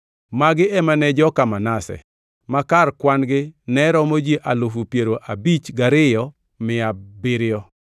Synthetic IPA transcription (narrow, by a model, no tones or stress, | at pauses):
maɡɪɛmanɛd͡ʒɔkamanasɛ̰ | makarkwanɡɪnɛɾɔmod͡ʒiʔalofupjeɾoʔabit͡ʃɡaɾɪjɔ | mɪabɪɾɪjɔ